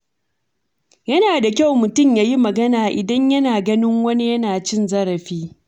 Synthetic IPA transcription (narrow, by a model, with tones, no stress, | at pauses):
jɐ˦naː˨da˨kʲa˦˨wmʊ˨tʊ˦˨mjaː˦ji˦mɐ˨ɡɐ˦naː˨ʔɪ˨dɐ˦ɲjɐ˦naː˨ɡɐ˦nɪ˦ŋwɐ˦ni˦jɐ˦naː˨t͡ʃɪ˦nzɐ˦ɾɐ˨ɸiː˦